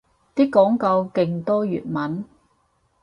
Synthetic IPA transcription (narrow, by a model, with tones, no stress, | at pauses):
t̪iː˥kːɔː˨˥ŋkɐ˧wke˧ŋt̪ɔː˥jy̰ː˨t̚mɐ˨˥n